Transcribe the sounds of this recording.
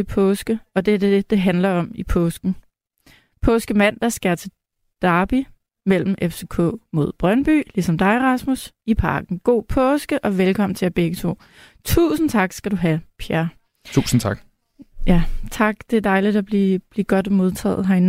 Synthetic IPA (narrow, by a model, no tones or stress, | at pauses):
e̝pʰɔ̽ːsɡ̥əɒ̽d̥eæɐd̥ed̥e̝ɦænlɐɒ̽mipʰɔ̽ːsɡ̥n̩ | pʰɔ̽ːsɡ̥əmæn̰d̥ɑ̈sɡ̥eɐt͡sʰe̝ | d̥ɑ̈ːb̥i | mel̰m̩ʔefse̝kʰɔ̰̽ːmo̝ð̰ˠb̥ʁɶnb̥y̰ːlisɒ̽md̥ɑ̈ɪʁɑ̈smusipʰɑ̈ːɡ̥n̩ɡ̥o̝̰ːpʰɔ̽ːsɡ̥əʔɒ̽ʋelkʰɒ̽m̰n̩t͡sʰe̝æb̥eɡ̥ət͡sʰo̝̰ː | t͡sʰṵːsn̩t͡sʰɑ̈ɡ̥sɡ̥æɾuɦæpʰiæɐ | t͡sʰuːsn̩t͡sʰɑ̈ɡ̥ | jæt͡sʰɑ̈ɡ̥d̥e̝æɐd̥ɑ̈ɪlid̥æb̥lib̥liɡ̥ɒ̽d̥mo̝ð̞ˠt͡sʰɛ̰ːð̩ˠɦɑi